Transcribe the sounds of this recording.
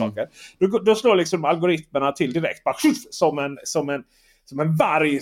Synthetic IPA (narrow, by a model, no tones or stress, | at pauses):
ɔ̰ːkəɾd̥̪ɔɡd̪ɔsloːlɪksɔmmalɡʊɾɪt̪məɳat̪ʰɪld̪ɪɾɛ̰kt̪̚baɧʉfsɔmɛnsɔmɛn | sɔmɛnvaɾj